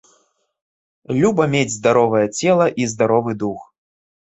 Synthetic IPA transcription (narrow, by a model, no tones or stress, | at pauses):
lʲubɐmʲed͡zʲzd̪aɾɔvɐjɐt͡sʲɛlˠɐʔizd̪aɾɔvɨd̪ux